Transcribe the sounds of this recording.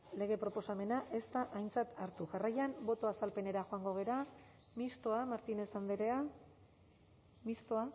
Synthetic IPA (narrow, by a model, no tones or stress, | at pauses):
le̞ɣ̞e̞pɾo̞po̞same̞naʔe̞st̪aʔajnt͡sat̪aɾt̪uʝarajambo̞t̪o̞asalpe̞ne̞ɾaxoaŋɡo̞ɣ̞e̞ɾa | mist̪oamaɾt̪ine̞sand̪eɾea | mist̪oa